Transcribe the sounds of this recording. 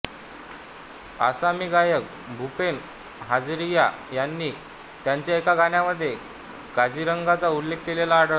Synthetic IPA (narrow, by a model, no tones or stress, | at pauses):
a̰samiːɡajək̚ | bʱupen | ɦad͡zɾijajanːiː | t̪jaɲt͡ɕjaekaɡaɳjaməd̪ʱːje | ɡad͡ʑiɾəŋɡat͡saulːek̚ʰt̪ilelaːɽə